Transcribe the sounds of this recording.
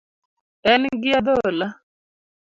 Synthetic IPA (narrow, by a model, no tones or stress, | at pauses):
ɛnɡiad̪ola